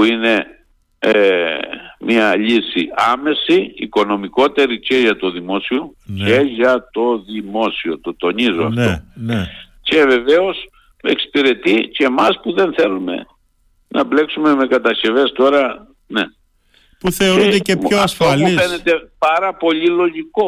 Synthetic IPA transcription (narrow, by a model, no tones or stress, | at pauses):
puine̞ | e | miɐʎisiɐme̞siːko̞no̞miko̞t̪e̞ɾice̞ʝɐt̪o̞ðimo̞sio̞neʝɐt̪o̞ðimo̞sio̞t̪o̞t̪o̞nizoɐ̰ftnon | ce̞ve̞ve̞o̞s | e̞ksi̥piɾe̞t̪iceːmɐspuðe̞nθe̞lume̞̰ | nʔɐble̞ksume̞me̞kɐt̪ɐsçe̞ve̞st̪o̞ɾɐ | ne | puθeoɾud̪eeoɐfst̪oluiθe̞ne̞t̪e̞pɐɾɐpo̞ʎilo̞ʝiko̞